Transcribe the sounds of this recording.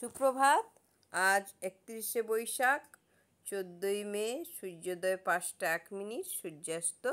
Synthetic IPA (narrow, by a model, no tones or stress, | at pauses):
ʃukɾobʱad̪ | ad͡ʑek̚t̪iɾiʃebojʃak | t͡ɕod̪ːojmeʃuːod̪ɔepãsʈaɛkminiʈʃuɾd͡ʑast̪o